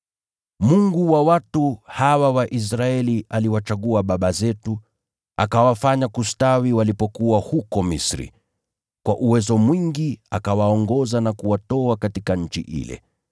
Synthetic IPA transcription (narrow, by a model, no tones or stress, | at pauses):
muŋɡuwawatuhawawaʔis̬ɾaɛliʔaliwat͡ʃaɠuaɓaɓazɛtu | a̰kawafaɲakustawiwalipɔkuahukɔmisɾḭ | kwaʔuwɛzɔmwiŋɡiakawaɔŋɡɔzanakuwatɔakatikaɲ̩t͡ʃḭʔḭlɛ̰